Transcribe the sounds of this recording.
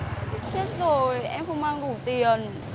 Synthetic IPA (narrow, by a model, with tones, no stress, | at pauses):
t͡ɕe˦˥t̚zo˨˩jʔɛ˧mxə˧wŋ͡mmaː˧ŋŋu˧˩t̪i˨˩ən